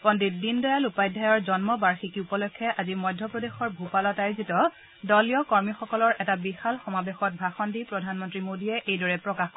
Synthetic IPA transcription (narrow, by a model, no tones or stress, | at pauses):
pɔndit̚dindɔjalupajdʱajɔɹzɔnmɔbaɹxikiupɔlɔkʰːɛʔazimɔjdʱːɔpɹɔdexɔɹbʱupalɔtajzitɔ | dɔlijɔkɔɹmixɔkɔlɔɹʔɛtabixalxɔmabexɔt̚bʱaxɔndipɹɔdʱanmɔntɹimodiɛʔejdɔɹɛpɹɔkaxk